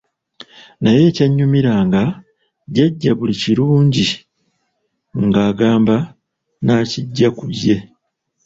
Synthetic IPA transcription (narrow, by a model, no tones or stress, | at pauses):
naje̞ːcaɲːumiɾaːŋɡa | ɟaɟːaβuliciɾuːɲɟi | ŋɡaːɡaːmba | naːciɟːakuβe̞